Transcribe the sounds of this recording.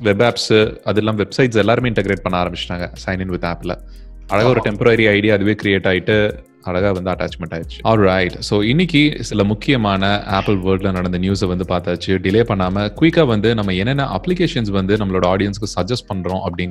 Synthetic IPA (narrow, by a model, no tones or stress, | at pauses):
ʋɛbaːpsɐðɛlːãːʋɛbsɐɪʈsɛlːaːɾɯmeːɪ̃ɳʈɐɡɾeːʈ̚pɐɳːaaːɾɐmbɪt͡ʃːʈãːŋɡɐsɐɪnɪ̃nʋɪt̪ːaːplɐ̰ | ɐɻɐɣaɔɾɯʈɛmpɐɾɐɾiɐɪɽɪjaɐðɯʋeːkɾɪjeːʈːaːjɪʈːɯ | ɐɻɐɣaːʋɐnd̪ɯɐʈːa̰ːt͡ʃmɛɳʈaːɪɾɯt͡ʃːɯ̥ɔːlɾɐɪʈsoːɪnːɪkːisɪlɐmʊkːɪjɐmaːnɐʔaːpɪlʋəːɾɖlɐnɐɽɐnd̪ɐnjuːsʋɐnd̪ɯpaːɾt̪aːt͡ʃːɯɖɪleːpɐɳːaːmɐkʋɪkːaːʋɐnd̪ɯnɐmːɐɛnːɛnːaʔɐpːlɪkeːʂɐnsʋɐnd̪ɯnɐmːɐɭoːɽɐaːɽɪjɐnskːɯsɐd͡ʒɐsʈ̚pɐɳːɾõʔɐpːɐɽɪn